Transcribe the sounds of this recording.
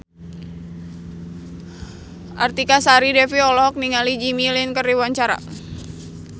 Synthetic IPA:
ʔart̪ikasaɾidɛfiɔlɔk̚niŋalid͡ʒimilinkəriwaɲt͡ʃaɾa̰

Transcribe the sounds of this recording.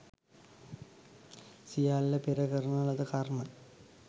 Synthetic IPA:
sijaːllɐpeɾɐɣɐrnaɭɐðɨkaːrmɐ

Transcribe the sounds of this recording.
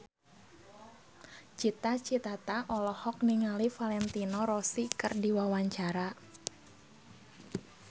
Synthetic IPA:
t͡ʃit̪at͡ʃit̪at̪aʔɔlɔhɔk̚niŋalifalɛnt̪inɔɾɔsikɨrdiwawaɲt͡ʃaɾa

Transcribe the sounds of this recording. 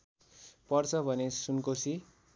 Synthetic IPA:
pʌrt͡sʰʌbʱʌnesunkosi

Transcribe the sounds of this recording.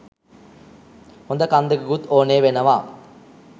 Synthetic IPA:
hond̪əkand̪əɡəɡut̪oːneːʋenəʋaː

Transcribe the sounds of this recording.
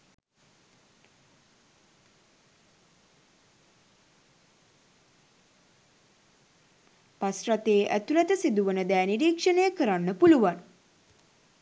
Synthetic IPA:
pasrat̪eːʔæt̪ulæt̪əsid̪uʋənəd̪ɛːniɾiːkʂənejəkəɾanːəpuluʋan

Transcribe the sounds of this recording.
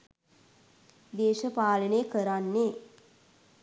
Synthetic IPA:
d̪eːʃəpaːlənejkəɾanːeː

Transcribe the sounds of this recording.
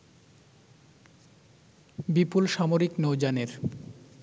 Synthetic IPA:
bipulʃamoɾiknowd͡ʑaneɾ

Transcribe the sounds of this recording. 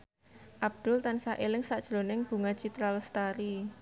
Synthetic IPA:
ʔab̚d̪̥ʊ̤lt̪ansaʔelɪŋsaʔd̥ʒ̥ɾo̤nɪŋb̥ṳŋat͡ʃit̪ɾalst̪aɾi

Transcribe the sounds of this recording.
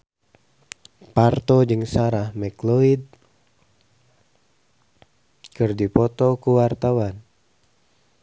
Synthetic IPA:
part̪ɔd͡ʒɨŋsaɾahmɛklɔid̚ | kɨrdipɔt̪ɔkuwart̪awan

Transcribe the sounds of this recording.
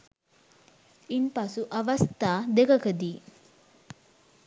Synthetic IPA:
impɐsuʔɐʋɐst̪aːd̪ekɐkəd̪iː

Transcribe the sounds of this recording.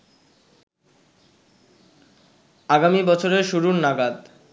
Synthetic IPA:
aɡamibɔt͡ɕʰoɾeʃuɾuɾnaɡad̪

